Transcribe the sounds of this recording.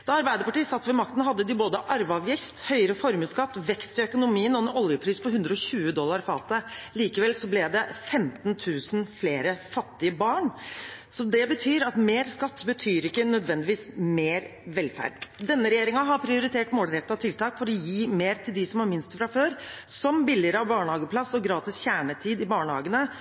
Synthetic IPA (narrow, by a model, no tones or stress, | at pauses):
d̪̥ɑɑɾbæɪd̪əpɑʈiːsɑt̪ːʋɛmɑkt̪ən̩ɦɑd̪ːəd̪ɪboːd̪əʔɑɾʋɑʋjɪst̪hœʏəɾəfɔɾməskɑt̪ːʋɛkst̪ɪœkʊnʊmiːənɔnɔljəpʰɾiːspʰɔhʉnd̪ɾəɔɕʉːəd̪ɔlːɑɾfɑ̰ːt̪əliːkəʋɛlsɔblɛd̪ɛfɛmt̪nt̪ʰʉːsnfleːɾəfɑt̪ːɪəbɑːɳsɔd̪ɛbət̪ʰyːɾɑt̪meːɾskɑt̪ːbət̪ʰyːɾɪkːənœd̪ʋɛnd̪ɪʋiːsmeːɾʋɛlfæ̰ɖd̪ɛnːəɾɛjeːɾɪŋɑɦɑɾpʰɾɪʊɾɪt̪ʰeːʈmoːlɾɛt̪ːɑt̪ʰɪlt̪ʰɑːkfɔɾɔjiːmeːɾt̪ʰɪld̪ɪsɔmʋɑɾmɪnst̪fɾɑføːɾ | sɔmbɪlːɪəɾəɑʋbɑːɳəhɑːɡəpʰlɑsːɔɡɾɑːt̪ɪsçæːɳət̪ʰiːd̪ɪbɑːɳəhɑ̰ːɡənə